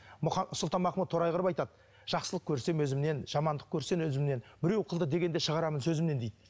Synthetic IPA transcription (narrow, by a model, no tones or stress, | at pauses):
mʊχɑsəlˠt̪ɑnmɑqʰəmət̪ʰo̞ɾɑjʁəɾəpɑjt̪ɑd̪̚ | ʒ̥ɑqsəlˠəqkʲʰɵɾse̞mwɵzɪmne̞nʒ̥ɑmɑnd̪əq̚kʲʰɵɾse̞nwɵzɪmne̞nbɪɾe̞wqʰəlˠd̪əd̪e̞ɡʲe̞nd̪e̞ʃəʁɑɾɑmənsɵzɪmne̞nd̪ejd̪ɪ